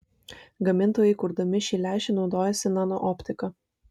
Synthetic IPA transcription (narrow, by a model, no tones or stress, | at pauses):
ɡɐmʲɪnˑt̪oːjɛɪkʊɾd̪ɐmʲɪʃʲiːlʲæˑɪʃʲɪnɒʊd̪oːjɛsʲɪnɑnoʔɔpʲt̪ʲɪkɐ